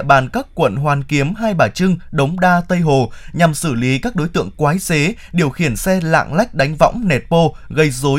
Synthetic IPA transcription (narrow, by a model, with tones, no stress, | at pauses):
ɓaː˨˩nkaː˦˥kkwə̰˧˨nɦwaː˨˩nki˨˦əmɦaː˧jɓaː˧˩t͡ɕɨ˧ŋɗə˨˦wŋ͡mɗaː˧t̪ə˧jɦo˨˩ɲa˨˩msɨ˧˩li˨˦kaː˦˥k̚ɗo˨˦jt̪ɨ̰˧˨əŋkwaː˨˦jze˨˦ | ɗi˨˩əwxi˧˩ənsɛ˧la̰ː˧˨ŋla˦˥jk̟̚ɗa˨˦jŋ̟vɔ̰˧˥wŋ͡mnɛ˨˩t̚po˧ | ɣə˧jzo˨˦